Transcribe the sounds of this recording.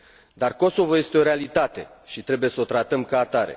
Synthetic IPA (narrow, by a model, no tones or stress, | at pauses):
d̪arko̞so̞voje̞st̪eo̞ɾealit̪at̪e̞ʃit̪ɾe̞buje̞səo̞t̪ɾat̪əmkaːt̪aɾe̞̰